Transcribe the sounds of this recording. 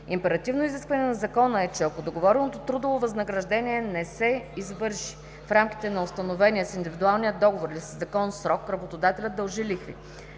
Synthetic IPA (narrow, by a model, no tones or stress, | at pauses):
impɛɾɐt̪ivnoiziskvɐnɛnɐzɐkɔnəɛt͡ʃɛɐkod̪oɡovɔɾɛlnot̪ot̪ɾud̪ovovɐznɐɡɾɐʒd̪ɛniɛnɛsɛizvɤɾʃi̥ | fɾamki̥t̪ɛnɐʊst̪ɐnovɛnʲiɛsind̪ivid̪ualˠnijəd̪d̪ɔɡovoɾilʲisəzːɐkɔnsɾɔkɾɐbot̪od̪at̪ɛlʲətd̪̚əlˠʒilixvḭ